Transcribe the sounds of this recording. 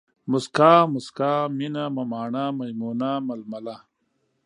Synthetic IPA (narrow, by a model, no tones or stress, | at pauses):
muskaːmuskaːminamɐmaːɳamɐjmuːnamɐlmɐla